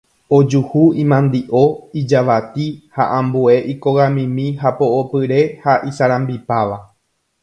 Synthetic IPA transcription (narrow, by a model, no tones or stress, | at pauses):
o̞d͡ʒuhuĩmãnd̪iʔo̞id͡ʒaʋat̪iha̰ʔãmbue̞ʔiko̞ɣamĩmĩɦapo̞opɨɾe̞haʔisaɾãmbipaʋa